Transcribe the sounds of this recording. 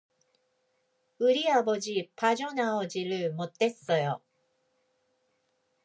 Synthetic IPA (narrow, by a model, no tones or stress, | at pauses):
ɯɾʲiabod͡ʑipʰaʑonaod͡ʑiɾɯmot̪ːesojo